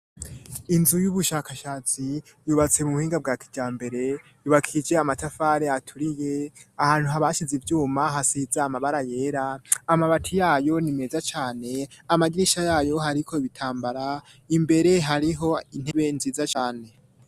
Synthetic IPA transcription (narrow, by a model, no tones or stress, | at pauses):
inzujuβuʃaːkaʃaːt͡si | juβat͡se̞muuhiːŋɡab̚ɡaːkʰi̥d͡ʒaːmbe̞ɾe̞ | juβakʰid͡ʒe̞amatafaːɾeatʰuɾije̞ahaːn̥huɦaβaʃizivjuːmaɦasizaamaβaɾaje̞ːɾaːmaβatʰijaːjo̞nime̞ːzat͡ʃaːne̞amaɡiɾiʃajaːjo̞ɦaɾikʰo̞iβitʰaːmbaɾa | imbe̞ɾe̞ɦaɾiɦo̞in̥e̞βe̞nziːzat͡ʃaːne̞